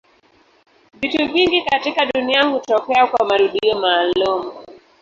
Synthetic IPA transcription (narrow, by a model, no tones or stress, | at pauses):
vituviŋɡikatikaɗuniahutɔkɛakwamaɾuɗiɔmaːlumu